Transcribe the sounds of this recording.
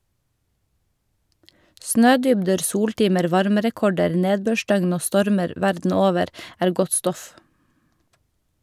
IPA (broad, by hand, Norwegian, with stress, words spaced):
ˈsnøːˌdʏbdəɾ ˈsuːɽˌʈiːməɾ ˈʋɑɾməɾɛˌkɔɖəɾ ˈneːdbøːˌʃdœɡn ˈoː ˈstɔɾməɾ ˈʋæɾdn̩ ˈoːʋəɾ ˈæːɾ ˈɡɔt ˈstɔf